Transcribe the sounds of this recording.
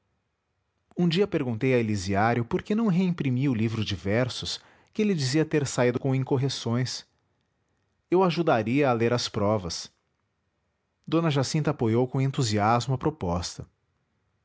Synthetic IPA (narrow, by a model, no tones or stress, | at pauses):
ũd͡ʒiɐpeɾɡũnt̪ejɐeliziaɾjʊpoɾkenɐ̃w̃ɦeĩpɾimiʊlivɾʊzd͡ʒivɛɾsʊs | kɪlɪd͡ʒiziɐt̪eɾsaid̪ʊkõẽkoɦesõj̃s | ewaʒud̪aɾiɐːleɾɐspɾɔvɐs | d̪õnɐʒasĩnt̪ɐapojowkõẽnt̪uziazmʊɐpɾopɔst̪ɐ